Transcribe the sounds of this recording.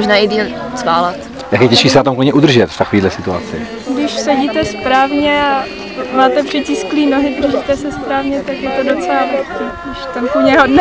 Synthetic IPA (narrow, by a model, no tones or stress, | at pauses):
moʒnaːɪdiːlt͡svaːlat̪ | jakɛcɛʃkiːsɛnat̪omkloɲɛʔud̪r̩ʒɛt̪ft̪akoviːdlɛsɪt̪ua̰t͡sɪ̰ | ɡdɪʃsɛɟiːt̪ɛspɾaːvɲɛa | maːt̪ɛpr̥ɪcɪskliːnoɦɪd̪r̩ʒiːt̪ɛsɛspɾaːvɲɛt̪akjɛt̪odot͡sɛlavɛki | ɪʃt̪ɛmpuɲɛɦodn